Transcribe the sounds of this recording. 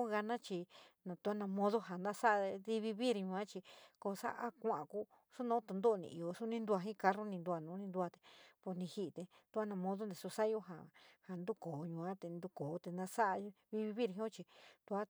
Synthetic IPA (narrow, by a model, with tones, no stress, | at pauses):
ɣa˧nã˦t͡ʃi˧nã˨t̪u˧a˦nã˧mõ˦ðo˦ɦa˨nd̪a˦sa˦ʔði˧βi˧βi˦ɾɲũ˧ã˦t͡ʃi˧ko˧sa̰˦ʔa˦kʷã˦ʔã̰˨ku˦ | su˦nõː˦t̪u˧nd̪o˦˧nḭ̃˧i˨˧o˧su˦nĩ˧nd̪u˧a˧ɦĩ˦˧ka˧ro˦nĩ˧nd̪u˧a˧nũː˨˦nĩ˧nd̪u˧a˧t̪e̥˨po˧nĩ˧hi˧t̪e˧t̪u˧˦a˦nã˧mõ˧ðo˦nd̪e˨su˧sa˦˧o˧ɦa˨ha˨nd̪u˦koː˨ɲũ˧ã˦t̪e˧nd̪u˧koː˨˦t̪e˧nd̪a˧sa˦ʔβi˧βi˧βi˦ɾɦĩ˧˦õ˦t͡ʃi˧t̪u˧a˦